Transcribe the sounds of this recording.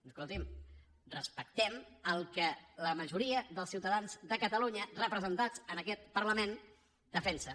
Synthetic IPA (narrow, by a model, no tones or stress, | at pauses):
skulˠt̪im | rəspək̚t̪ɛməlˠkələməʒuɾiəðəlˠsiwt̪əðanzðəkət̪əluɲərəpɾəzənt̪ad͡zənəkɛt̪̚pəɾləmen | d̪̥əfɛnsə